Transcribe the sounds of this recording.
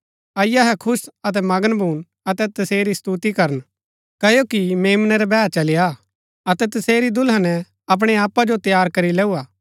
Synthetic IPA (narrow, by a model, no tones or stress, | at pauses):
ɐɪjaɦɛkʰʊsɐt̪̬ɛmɐɡənbʱuːn | ɐt̪ɛt̪ɐseːɾist̪ut̪ikɐɾən | kɐjokimeːmnɛɾɛbɛːt͡ʃɐlɪja | ɐt̪ɛt̪ɐseːɾid̪ʊlɦanɛ | ɐp̬ɽ̃eaːpːad͡ʒot̪jaːɾkɐɾilɛːuaː